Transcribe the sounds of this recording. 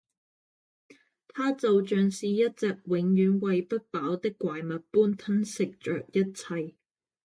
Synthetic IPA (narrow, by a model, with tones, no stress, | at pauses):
t̪ʰaː˥t͡so˨wt͡ʃœː˨ŋsiː˨jɐ˥t̚t͡sɛː˨k̚wɪ˨˧˥ŋjyː˨˥nwɐ˨jpɐ˥t̚paː˨˥wt̪ɪ˥kːʷaː˨jmɐ˨t̚puː˥nt̪ʰɐ˥nsɪ˨k̚t͡ʃœ̰ː˨k̚jɐ˥t̚t͡sʰɐ˨j